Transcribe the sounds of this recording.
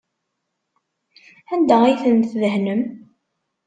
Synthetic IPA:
ænd̪æijθənθðəɦnəm

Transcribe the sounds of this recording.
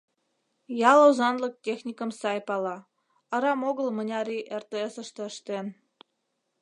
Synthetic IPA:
jɑlozɑnlək̚tʲexnʲikə̆msɑjpɑlɑ | ə̆ɾɑmoɣəlmə̆nʲɑɾiʔert̪eəsə̆ʃt̪ĕəʃt̪en

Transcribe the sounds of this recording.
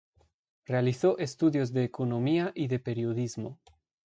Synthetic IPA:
realiθoʔest̪uðjozðeːkonõmiaʔiðepeɾjoðizmo

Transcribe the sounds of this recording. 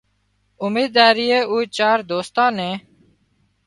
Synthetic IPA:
umiːd̪aːɾiːeːuːt͡ʃaːɾd̪oːst̪ãːnẽː

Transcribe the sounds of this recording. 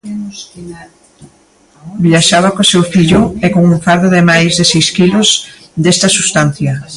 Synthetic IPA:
biaʃaβakosewfiʎʊɛkoŋuɱfaɾðoðɪmajzðɪsejskilʊz | d̪est̪ɐsust̪an̟θjɐ

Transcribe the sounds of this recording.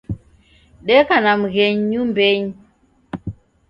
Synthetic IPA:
ɗɛkanamɣeɲːumbeɲ

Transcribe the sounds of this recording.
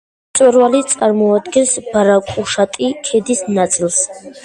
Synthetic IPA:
t̪sʼwɛɾvalit̪sʼaɾmɔad̪ɡɛnsb̥aɾakʼuʃat̪ʼikʰɛd̪isnat̪sʼlˠs

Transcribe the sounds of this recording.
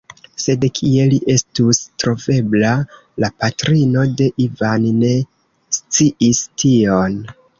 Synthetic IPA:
se̞dkʰie̞liʔe̞stustɾo̞ve̞bla | lapatɾino̞de̞ʔivanne̞ | st͡siʔistʰio̞n

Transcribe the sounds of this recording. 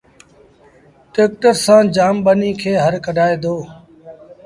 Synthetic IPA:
ʈeːk̚ʈəɾsãːd͡ʒaːmɓəniːkʰeːɦəɾkəɖʱaːeːd̪oː

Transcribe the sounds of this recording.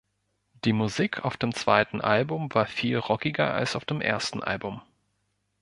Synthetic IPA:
d̥iːmuziːkʰa̰ʊfd̥eːmt͡sv̥aɪtn̩ʔa̰lbʊmvaːɐfiːlʁɔkɪɡɐa̰lsaʊfd̥eːmʔḛːɐstn̩ʔa̰lbʊm

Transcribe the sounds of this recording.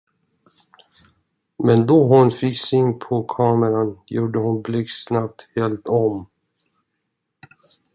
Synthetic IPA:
mɛnd̪ɔɦʊnfɪksɪnpʰɔkʰɑːməɾanjuːɖəhʊnblɪksnap̚t̪heːlt̪ɔm

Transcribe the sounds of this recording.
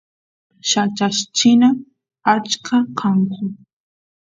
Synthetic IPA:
ʃat͡ʃaʃt͡ʃɪna | at͡ʃkʰakʰɑɴkʊ

